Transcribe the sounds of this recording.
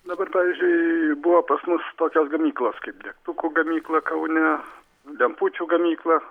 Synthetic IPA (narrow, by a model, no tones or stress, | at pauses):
d̪ɐbɐrpɑːʋʲizʲd͡ʒʲʊɪbʊʋoːpɐsmʊst̪oːkʲoːsɡɐmʲiːklˠoːskɐɪp̚d̪ʲɛkt̪ʊkuːɡɐmʲiːklˠɐkɐʊnʲɛ | lʲɛmpuːt͡ʃʲuːɡɐmʲiːklˠɐ